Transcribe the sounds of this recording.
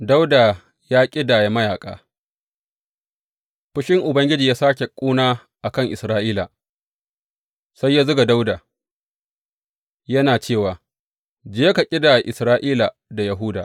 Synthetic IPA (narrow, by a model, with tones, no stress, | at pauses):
da˦wda˨ | jaː˦kʲʼɪ˦daː˨ja˨mɐ˦jaː˨kʼa̰ː˦ | ɸʊ˦ʃɪ˦ŋʔʊ˨bɐ˦ŋɡʲɪ˦d͡ʒiː˨jaː˦saː˦kʲe˨kʷʼuː˦naː˦ | ʔa˨kɐ˦ŋʔɪ˨sɾaː˦ʔiː˦la˨ | sa˦jːa˦zʊ˦ɡa˨da˦wdaː˨ | jɐ˦naː˨t͡ʃeː˦˨waː˨ | d͡ʒeː˦ka˨kʲʼɪ˦daː˨jʔɪ˨sɾaː˦ʔiː˦la˨ | da˨jɐ˨ɦuː˦daː˨